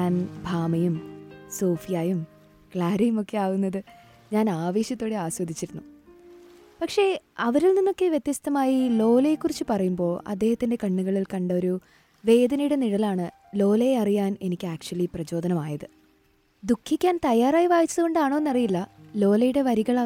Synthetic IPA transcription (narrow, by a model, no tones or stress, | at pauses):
ɲaːnbʱaːmɐjumso̞ːfijaːjum | kɭaːɾɐjumo̞kːe̞aːɣunːɐðɨ | ɲaːnaːʋeːɕjɐt̪ːoːɽeaːswɐd̪ʱit͡ɕːiɾunːu | pɐkʂe̞ɐʋɐɾilninːo̞kːe̞ʋjet̪jɐst̪ɐmaːjilo̞ːlɐjekːurit͡ɕːɨpɐrɐjumbo̞ːɭʔɐ̰d̪ːe̞ːhɐt̪ːinde̞kɐɳːuɣɐɭilkɐɳɖɐo̞ɾu | ʋe̞ːd̪ɐnɐjuɽeniɽɐlaːɳɨ | lo̞ːlɐjeɐrijaːne̞nikʲːɨaːk̚t͡ɕuɐliprɐt͡ɕo̞ːd̪ɐnɐmaːjɐðɨ | d̪ukʰːikʲːaːnt̪ɐjaːraːjiʋaːjit͡ɕːɐðuɣo̞ɳɖaːɳoːenːɐrijilːɐlo̞ːlɐjuɽe̞ʋɐɾiɣɐɭa